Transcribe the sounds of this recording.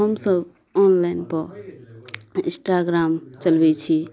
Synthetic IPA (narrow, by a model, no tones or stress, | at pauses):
ɦəmsəb | ɔnlajnpəɾ | ĩsʈaɡɾamt͡ʃəlbɛt͡ʃʰi